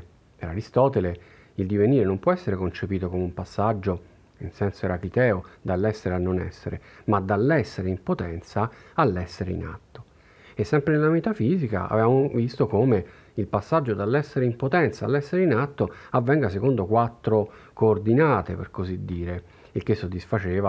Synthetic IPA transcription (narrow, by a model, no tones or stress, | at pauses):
peɾaɾist̪ɔːt̪ele | ild̪iveniːɾenompwɔɛsːeɾekont͡ʃepiːt̪okomeumpasːad͡ʒːo | insɛnsoeɾakit̪ɛːod̪alːɛsːeɾeanːonɛ̰sːeɾemad̪alːɛsːeɾeimpot̪ɛnt̪saalːɛsːeɾeḭna̰t̪ːo̥ | esːɛmpɾenelamit̪afiːzika̰a̰vevamovist̪okome | ilpasːad͡ʒːod̪alːɛsːeɾeimpot̪ɛnt̪saːlːɛsːeɾeinat̪ːoavːɛŋɡasekond̪okwat̪ːɾo | koːrd̪inaːt̪epḛrkozid̪ːiːɾe | ik̟esːod̪ːisfat͡ʃeːva